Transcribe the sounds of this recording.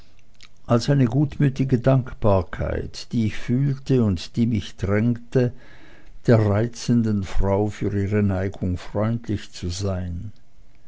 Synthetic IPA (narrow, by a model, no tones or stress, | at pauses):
ʔalsʔaɪnəɡuːtmyːtɪɡədaŋkb̥aːɐkʰa̰ɪtd̥iːɪçfyːltəʊntd̥iːmɪçd̥ʁɛŋtə | d̥eːɐʁaɪt͡səndənfʁ̥aʊfyːɐiːʁənaɪɡʊŋfʁ̥ɔʏntʰlɪçt͡suzaɪn